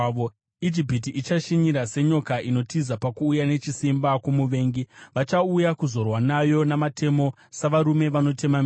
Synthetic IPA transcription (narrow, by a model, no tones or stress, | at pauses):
id͡ʒipitiʔːt͡ʃaʃiɲiɾase̞ɲo̞kaʔino̞tizapakuːjane̞t͡ʃisimbakwomuʋe̞ːŋɡiʋat͡ʃaujakuzo̞rwanajo̞namatʰe̞mo̞ | saʋaɾume̞ʋano̞te̞mami